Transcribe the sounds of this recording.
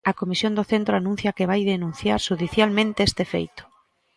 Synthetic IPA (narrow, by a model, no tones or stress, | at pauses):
ɐkomisjõnd̪oθent̪ɾoanũn̟θjɐkeβajðenũnθjaɾʃuðiθjalmẽnt̪eɛst̪efḛjt̪ʊ̥